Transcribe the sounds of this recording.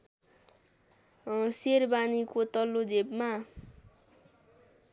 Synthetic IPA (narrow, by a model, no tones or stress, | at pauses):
serbanikot̪ʌlːod͡zebma